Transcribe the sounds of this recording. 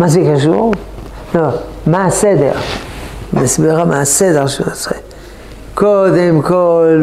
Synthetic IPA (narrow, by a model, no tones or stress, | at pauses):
mazekaʃṵʁ | lo | maased̪ḛʁ | masbiʁamaased̪eʁʃenot͡sʁe | kod̪emkol